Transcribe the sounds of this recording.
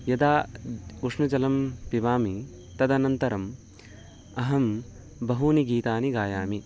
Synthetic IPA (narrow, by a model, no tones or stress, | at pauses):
jɐd̪aːuʂnɐd͡ʒɐlɐmpiʋaːmi | t̪ɐd̪ɐnɐnt̪ɐɾɐm | ɐɦɐm | bɐɦuːniɡiːt̪aːniɡaːjaːmi